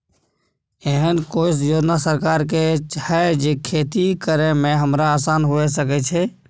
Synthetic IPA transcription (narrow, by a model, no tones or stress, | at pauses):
eɦənkoɪs̬joːd͡ʒnasəɾkaɾket͡ʃahɛd͡ʒekʰet̪ikəɾemẽɦəmɾaːsanɦoesəkɛt͡ʃʰɛ